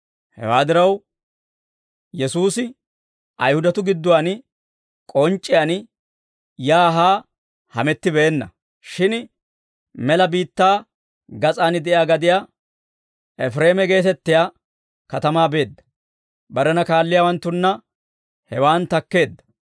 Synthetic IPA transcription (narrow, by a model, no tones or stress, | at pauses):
hɛ̰waːd̪ɪɾɐw | jɛsuːsɪ | ʔɐjhʊd̪ɐt̪ʊɡɪd̪ːʊwaːn | kʼɔnt͡ʃʼːɪjaːn | jaːɦaː | hɐ̰mɛt̪ːɪbeːnːɐ̰ | ʃɪn | mɛlɐbiːt̪ːaː | ɡɐt͡sʼaːnɪd̪ɛjjaːɡɐd̪ɪjaː | ʔɛfɾeːmɛɡe̞ːt̪ɛt̪ːɪjaː | kɐt̪ɐmaːbe̞ːd̪ːɐ̥ | bɐɾɛnɐkaːlːɪjaːwɐnt̪ːʊnːɐ | hɛwaːnt̪ɐkːe̞ːd̪ːɐ̥